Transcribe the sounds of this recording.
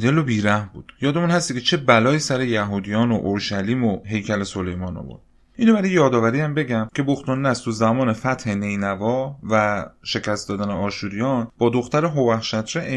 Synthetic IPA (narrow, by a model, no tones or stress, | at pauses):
d̪elobiːɾæhmbṵːd̪̥jɒːd̪emunhæst̪icʰe̞t͡ʃʰe̞bælɒːiːsæɾe̞jæɦuːd̪ijɒːnoʔoɾʃæliːmoɦe̞jcʰæleso̞le̞jmɒ̰ːno̰vo̰ɾd̪̥ | ʔiːnobæɾɒjejɒːd̪ɒːvæɾiːæmbe̞ɟæmcʰe̞boxt̪ɒnːæst̪ʰuzæmɒːne̞fæt̪he̞ne̞jnævɒːvæʃe̞cʰæst̪d̪ɒːd̪æneɒːʃuɾijɒːnb̥ɒːd̪o̞xt̪æɾeɦovæxʃæt̪ʰɾeʔ